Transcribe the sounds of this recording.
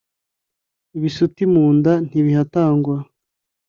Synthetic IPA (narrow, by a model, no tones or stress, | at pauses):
iβisutimuːndan̥iβihataːŋɡwa